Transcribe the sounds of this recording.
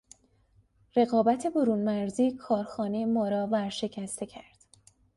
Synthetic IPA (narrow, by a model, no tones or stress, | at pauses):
re̞ɣɒːbæt̪ʰe̞boɾuːnmæɾziːkʰɒːɾxɒːnejmɒːɾɒːvæɾʃe̞cʰæst̪ʰe̞cʰæɾd̪̥